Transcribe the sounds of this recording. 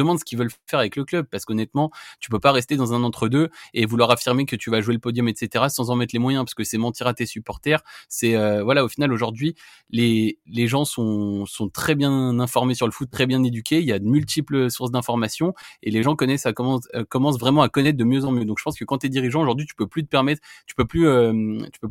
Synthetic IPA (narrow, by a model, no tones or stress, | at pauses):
d̪əmɑ̃d̪sə̥kʲivœlfɛʁavɛkləklœb̚paʁsə̥kɔnɛt̪mɑ̃t̪y̥p̬øpaʁɛst̪ed̪ɑ̃zɛ̃nɑ̃t̪χəd̪øevulwaʁafiʁmekət̪yvaʒueləpɔd̪jɔmɛt̪set̪eʁasɑ̃zɑ̃mɛt̪χlemwajɛ̃paʁsə̥kəsɛmɑ̃t̪iʁat̪esypɔʁt̪ɛʁsɛøvwalaofinaloʒuʁd̪ɥi | leleʒɑ̃sɔ̃sɔ̃t̪χɛbjɛ̃nɛ̃fɔʁmesyʁləfut̪ːχɛbjɛ̃ned̪ykʲeiljad̪əmylt̪ʰiplsuʁsd̪ɛ̃fɔʁmasjɔ̃eleʒɑ̃kɔnɛsakɔmɑ̃kɔmɑ̃s̬vʁɛmɑ̃akɔnɛt̪χ̚d̪əmjøzɑ̃mjød̪ɔ̃kʒə̥pɑ̃skəkɑ̃t̪yɛd̪iʁiʒɑ̃oʒuʁd̪ɥit̪y̥pøplyt̪ə̥pɛʁmɛt̪χt̪y̥pøplyøt̪y̥pø